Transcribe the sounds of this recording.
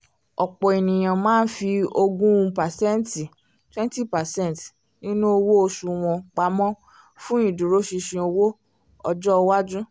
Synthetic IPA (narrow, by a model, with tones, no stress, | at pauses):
ɔ˨k͡pɔ˨e˨nĩ˨j̃ã˨mãː˦n̩˦fi˧o˧ɡũ˦˧pa˨sɛ̃˦n˦ti˨ | twɛ̃˦n˦ti˦pa˨sɛ̃˦˨t | nĩ˦nũ˦o˧wo˦o˧ʃu˧w̃ɔ̃˧k͡pa˨˦mɔ̃˦ | fũ˦ĩ˦˨dũ˨ɾo˨˦ʃi˧ʃĩ˧o˧wo˦ | ɔ˧d͡ʒɔ˦˧wa˦d͡ʒũ˦